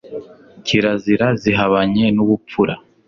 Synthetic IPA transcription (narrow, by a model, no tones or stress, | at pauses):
ciɾaziɾaziɦaβaɲe̞nuɡup͡fuɾa